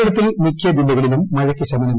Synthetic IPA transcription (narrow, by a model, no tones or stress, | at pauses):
ɐɽɐt̪ːilmikʰʲjɐd͡ʑilːɐɣɐɭilumːɐɻɐkʲːɨɕɐmɐnɐm